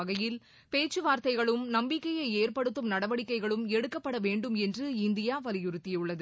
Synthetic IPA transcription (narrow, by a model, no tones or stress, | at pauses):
ɐɣɐjɪl | peːt͡ʃːɯʋaːɾt̪ɐɪɣɐɭɯmnɐmbɪkːɐjɐɪeːɾpɐɽɯt̪ːɯmnɐɽɐʋɐɽɪkːɐɪɣɐɭɯmɛɽɯkːɐpːɐɽɐʋeːɳɖɯmɛndrɯɪnd̪ɪjaːʋɐlɪjʊɾɯt̪ːɪjɯɭːɐðɯ